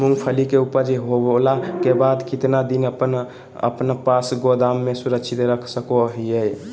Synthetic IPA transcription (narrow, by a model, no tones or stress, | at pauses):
muŋɡpʰəlikeupəɾd͡ʒeɦolakebad̪kit̪nad̪inəpən | ə̰pnpasɡod̪amːesuɾəkt͡ʃʰit̪ɾəkʰsəkoɦijəj